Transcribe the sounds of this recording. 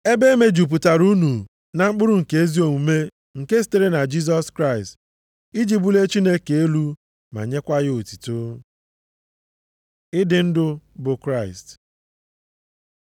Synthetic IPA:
e˦be˦me˦d͡ʒu˨p̬u˨ta˨ɾu˦nu˨ | na˨ŋ͡m̩˦k͡pʊ˦ɾʊ˦ŋ̩˨ke˦e˦zi˦o˨ŋu˨me˦ | ŋ̩˨ke˦s̬i̥˦te˦ɾe˦na˨d͡ʒi˦s̬ɔ˦skɾa˦˨ɪ˨st | i˦d͡ʒi˦bu˦le˦t͡ʃi˦ne˦ke˨e˦lu˦ | ma̰˨ɲe˦kʷa˦ɣɪ˦o˨ti̥˨to˦ | ɪ˦dɪ˨n̩˦dʊ˦bʊ˨kɾa˦˨ɪ̰˨st

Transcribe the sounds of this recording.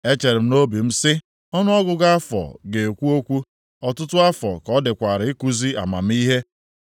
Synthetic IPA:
e˦t͡ʃe˨ɾɪ˨m̩˦no˦bi˨m̩˦sɪ˦ | ɔ˦nʊ˦ɔ˦ɡʊ˨ɡa˦fɔ̰˨ɡe˨kʷu˦o˦kʷu˦ | ɔ˨tʊ˦tʊ˦a˦fɔ̰˨kɔ˦dɪ˨kʷa˨ɾɪ˨˦i˦ku˦zi˦a̰˨ma̰˨m̩˦i˦ɦe˦

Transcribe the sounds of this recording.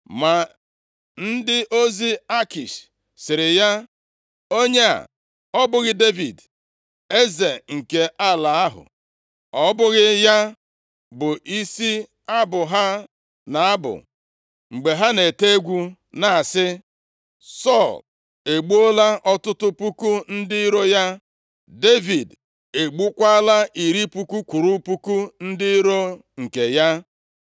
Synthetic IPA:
ma˨ | n̩˦dɪ˦ʔo˦zi˦a˦ki˨ʃ | sɪ˨ɾɪ˨ja˦ | o˦ɲe˦a̰˨ | ɔ˦bʊ˦ɣɪ˦de˦vi˨d | e˦ze˨ŋ̩˨ke˨ʔa˦la˨a˦ɦʊ̰˨ | ɔ˦bʊ˦ɣɪ˦ja˦ | bʊ˨ʔi˦si˦ | a˦bʊ˨ɦa˦ | na˨a˦bʊ̰˨ | ŋ͡m̩˨ɡ͡be˨ɦa˦ne˨te˦ɡʷu˦ | na˨a˨sɪ˦ | sɔ˦˨l | e˨ɡ͡bu˦o˦la˦ʔɔ˦tʊ˦tʊ˦pu˦ku˦n̩˦dɪ˦ɾo˦ja˦ | de˦vi˨d | e˨ɡ͡bu˦kʷa˦a˦la˦ʔi˨ɾi˦pu˦ku˦kʷu˨ɾu˦pu˦ku˦n̩˦dɪ˦i˦ɾo˦ | ŋ̩˨ke˨ja˦

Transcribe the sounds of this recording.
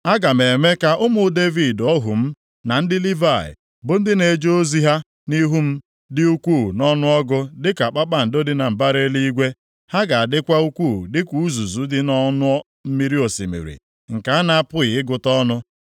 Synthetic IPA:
a˦ɡa˨m̩e˨me˦ka˦ʔʊ˦mʊ˦de˦vi˦˨dɔ˦ɦṵ˨m̩˦ | na˨n̩˦dɪ˦li˦va˨ɪ̰˨ | bʊ˨n̩˦dɪ˦ne˨d͡ʒo˦o˦zi˦ɦa˦ | ni˦ɦu˦m̩˦ | dɪ˦u˦kʷuː˦˨nɔ˦nʊ˦ɔ˦ɡʊ˦dɪ˦ka˨k͡pa˦k͡pa˦˨n̩˨do˦dɪ˦na˨m̩˨ba˦ɾe˦li˦i˦ɡʷe˦ | ha˦ɡa˨a˨dɪ˦kʷa˦u˦kʷu˦˨dɪ˦kʷu˦u˦zu˨zu˨˦dɪ˦nɔ˦nʊ˦ɔ˦ | m̩˦mi˦ɾi˦o˨sḭ˨mḭ˨ɾḭ˨ | ŋ̩˨ka˨a˦na˦a˦˨pʊ˦ɣɪ˨ɪ˦ɡʊ˨tɔ˦nʊ˦

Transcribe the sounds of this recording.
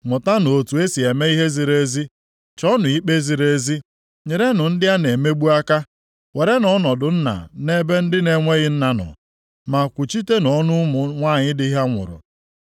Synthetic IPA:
ŋʊ˨ta˦no˨tu˨e˦si˨e˨me˦i˦ɦe˦zi˨ɾe˦zi˦ | t͡ʃɔ˦nʊ˨i˦k͡pe˦zi˨ɾe˦zi˦ | ɲe˨ɾe˦nʊ˨n̩˦dɪ˦a˦ne˨me˦ɡ͡bu˦a˦ka˦ | we˨ɾe˦nɔ˦nɔ˨dʊ˨n̩˦na̰˨ne˦be˦n̩˦dɪ˦ne˨ŋʷe˦ɣɪ˦n̩˦na˨nɔ̰˨ | ma˨kʷʊ˨t͡ʃi˦te˦nɔ˦nʊ˦mʊ˨ŋʷa˦˨ɲɪ˦dɪ˦i˦ɦa˦ŋʷʊ̰˨ɾʊ̰˨

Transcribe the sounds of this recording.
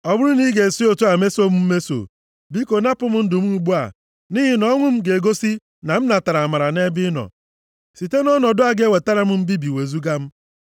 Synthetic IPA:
ɔ˨bʊ˦ɾʊ˦ni˦ɡe˨si˦o˨tu˦a˨me˦so˦m̩˦m̩˦me˦so̰˨ | bi˦ko˨na˦pʊ˦m̩˦n̩˦dʊ˨m̩˦u˨ɡ͡bu˦a̰˨ | ni˦ɦɪ˨nɔ˦ŋʷʊ˦m̩˦ɡe˨ɡo˦si˦ | na˨m̩˦na˨ta˨ɾa˨ma˨ɾa˨ne˦bɪ˦nɔ̰˨ | si˨te˦nɔ˦nɔ˨dʊ˦a˨ɡe˦we˨ta˦ɾa˦m̩˦m̩˦bi˦bi˨we˨zu˦ɡa˦m̩˦

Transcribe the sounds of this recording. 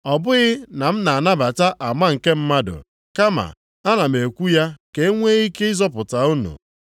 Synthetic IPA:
ɔ˨bʊ˦ɣɪ˦na˨m̩˦na˨a˨na˦ba˨ta˦ʔa˨ma˦ŋ̩˨ke˦m̩˦ma˦dʊ̰˨ | ka˦ma̰˨ | a˦na˨m̩˨e˨kʷu˦ja˦ke˦ŋʷe˦i˦ke˦ɪ˦zɔ˦pʊ˨ta˨u˦nṵ˨

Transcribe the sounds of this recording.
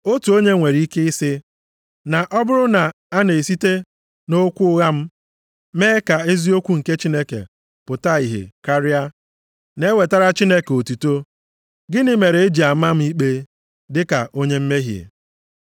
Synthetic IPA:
o˦tu˨o˦ɲe˦ŋʷe˨ɾi˦ke˦ɪ˦sɪ˦ | na˨ʔɔ˦bʊ˦ɾʊ˦na˨ | a˦ne˨e˨si˦te˦ | no˦kʷu˦ʊ˦ɣa˦m̩˦ | meː˦ka˨e˦zi˦o˦kʷu˦ŋ̩˨ke˦t͡ʃi˦ne˦kḛ˨ | pʊ˨ta˦i˨ɦḛ˨ka˦ɾɪ˦a˦ | ne˦we˨ta˦ɾa˦t͡ʃi˦ne˦ke˨o˨tu˨to˦ | ɡɪ˦nɪ˦me˨ɾe˨e˦d͡ʒi˨a˨ma˦m̩˦i˦k͡pe˦ | dɪ˦ka̰˨ʔo˦ɲe˦m̩˦me˦ɦjḛ˨

